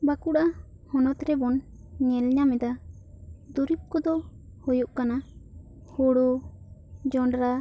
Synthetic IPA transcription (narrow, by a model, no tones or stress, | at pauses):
bakuɽa | hɔnɔt̪ɾɛbɔn | ɲɛlɲamɛd̪a | d̪uɾip̚kɔd̪ɔhojɔʔkana | hoɽu | d͡ʒɔɳɖɾa